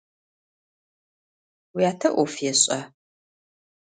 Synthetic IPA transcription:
wijaːtʰɐʔʷɔfjɛɕʼɐ

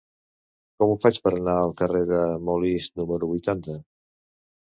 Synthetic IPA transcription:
kɔmufat͡ʃpəɾənaəlˠkəreðəmolisnuməɾuβujt̪ant̪ə

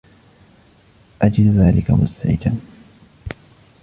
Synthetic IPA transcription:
ʔad͡ʒɪd̪ðaːlɪkamʊ̰st̪aʕɪ̰d͡ʒan

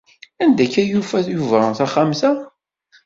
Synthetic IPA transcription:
ænd̪æçæjufæθjuvɾɑθæχamθæ

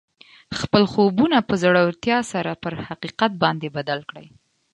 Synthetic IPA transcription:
xpəlxobunapəzaɽawɾt̪jɑsaɾapəɾhaqiqat̪̚bɑnd̪ebad̪alkɽə̰j

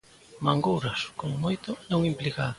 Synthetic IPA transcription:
maŋɡowɾɐskoŋmojt̪ʊnõŋimplika

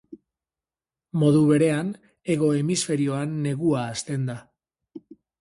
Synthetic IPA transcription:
mo̞ðuβe̞ɾe̞an | e̞ɣo̞e̞misfe̞ɾio̞anːe̞ɣuaːst̪e̞nd̪a

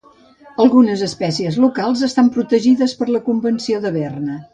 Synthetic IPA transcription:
əlˠɣunəzəspɛsiəzlukalˠzəst̪ampɾut̪əʒiðəspəɾləkumbənsioðəβɛrnə

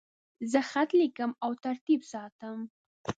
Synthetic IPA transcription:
zəxat̪likəmawt̪aɾt̪ibsɑt̪əm

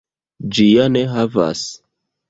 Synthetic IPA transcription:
d͡ʒijaneɦava̰s

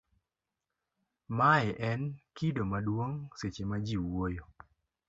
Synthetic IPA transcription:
maɛʔɛnkidomadwoŋset͡ʃemad͡ʒiwojo

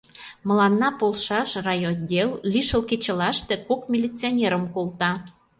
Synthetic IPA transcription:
mə̆lɑnːɑpolˠʃɑʃrɑjond̪ʲellʲiʃəlket͡ɕə̆lɑʃt̪e̽kokmʲilʲit͡sionʲeɾəmkolˠt̪ɑ

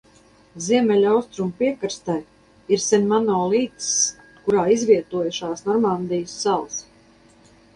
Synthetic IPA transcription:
ziɛmʲɛlʲawst̪ɾumpiɛkɨɾst̪aj | iɾsɛnʲmanɔːlˠiːt̪s | kuɾaːizvʲiɛt̪uɔjʃaːsnɔɾmand̪ijsːalˠs

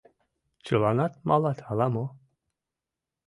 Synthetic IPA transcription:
t͡ʃɯlˠanat̪̚malat̪ʰalamu

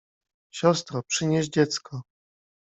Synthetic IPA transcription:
ɕɔst̪ɾɔpʂɘɲeʑd͡ʑɛt̪skʰɔ

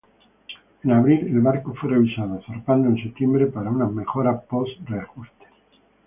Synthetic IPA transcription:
enaβɾile̞lβaɾko̞fwere̞βisaðosoɾpand̪oenset̪jembɾepaɾauname̞xo̞ɾapo̞sreaxust̪e̥

